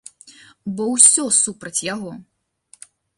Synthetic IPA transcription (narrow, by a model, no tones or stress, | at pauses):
bɔwsʲɔsupɾɐt͡sʲjaɣɔ